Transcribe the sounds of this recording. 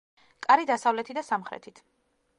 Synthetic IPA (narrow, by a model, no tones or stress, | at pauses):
kʼaɾid̪asavlɛt̪ʰid̪asamχɾɛ̰t̪ʰit̪ʰ